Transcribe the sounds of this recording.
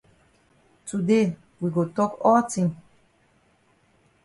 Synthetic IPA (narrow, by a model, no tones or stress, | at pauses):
tude | wiɡotɔkɔltĩŋ